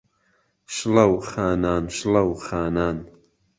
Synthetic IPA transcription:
ʃlɐwxaːnaːnʃlɐwxaːnaːn

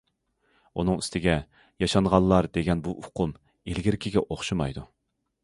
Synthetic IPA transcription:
unɨŋyst̪ʰɪɡʲɛ | jɑʃɑnʁɑlˠːɑɾd̪eɡʲɛnbuʊqʰʊm | elɡʲɪɾɪkʲɪɡʲɛʔoχʃumɑ̰jd̪u

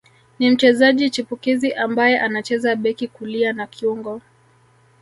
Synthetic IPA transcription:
nim̩t͡ʃɛzaʄit͡ʃipukiziʔambajɛʔanat͡ʃɛzaɓɛkikulianakʰiuŋɡɔ

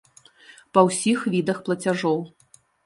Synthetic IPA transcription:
pɐwsʲixvʲid̪ɐxplˠɐt͡sʲaʐɔw

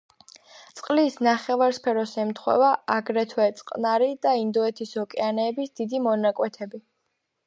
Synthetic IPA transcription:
t̪sʼqʼlisnaχɛvaɾspʰɛɾɔsɛmt̪ʰχwɛ̰vaaɡɾɛt̪ʰwɛt̪sʼqʼnaɾid̪̥aind̪ɔɛt̪ʰishɔkʼɛanɛːbisd̪id̪imɔnakʼwɛt̪ʰɛbi

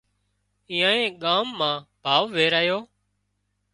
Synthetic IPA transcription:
ĩːãːẽːɠaːmːãːb̥ʱaːʋʋeːɾaːjoː

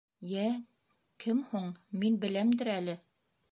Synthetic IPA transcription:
jæ | kʰɘmhuɴminbɘ̆læmd̪ɘ̆ɾælɘ

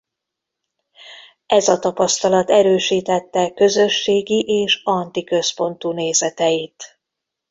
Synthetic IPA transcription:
ɛzɒt̪ɒpɒst̪ɒlɒt̪ɛɾøːʃiːt̪ɛt̪ːɛkø̞zø̞ʃːeːɡiʔeːʃɒnt̪ikø̞spo̞nt̪uːneːzɛt̪ɛjit̪

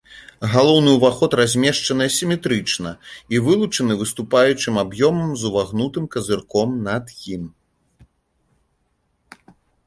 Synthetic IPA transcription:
ɣalˠɔwnɨwvaxɔt̪razʲmʲɛʂt͡ʂɐnɨjɛsʲimʲɛt̪ɾɨt͡ʂnɐivɨlˠut͡ʂɐnɨvɨst̪upajut͡ʂɨmabjɔmɐmzuvaɣnut̪ɨmkɐzɨrkɔmnɐd̪jim

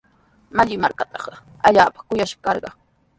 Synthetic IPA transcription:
maʎɪmaɾkat̪ɑχ | aʎaːpḁkʊjaʃɑ̥kɑɾɢɑ

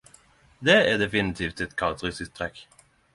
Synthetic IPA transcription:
d̪ɛæd̪ɛfɪnɪt̪ʰiːft̪ɛt̪kʰɑlt̪ɾʉsɪst̪ʰːɾɛk

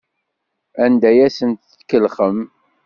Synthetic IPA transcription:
ænd̪æjæsənt̪ːkəlχəm

